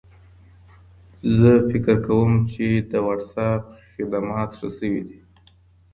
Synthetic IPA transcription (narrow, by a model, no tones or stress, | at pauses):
zəfɪkɾkawəmt͡ʃed̪əwaɖsap̚xɪd̪amɑt̪ʂəsəwid̪i